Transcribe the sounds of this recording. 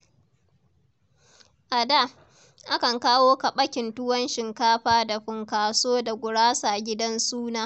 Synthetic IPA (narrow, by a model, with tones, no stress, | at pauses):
ʔa˨da˦˨ | ʔa˦kɐ˨ŋkaː˦woː˦ka˨ɓɐ˦kʲɪ˨ntʊ˦wɐ˦nʃɪ˨ŋkaː˦ɸaː˦da˨ɸɪ˨ŋkaː˨soː˦da˨ɡʷʊ˨ɽaː˦saː˨ɡʲɪ˦dɐ˦nsuː˦naː˦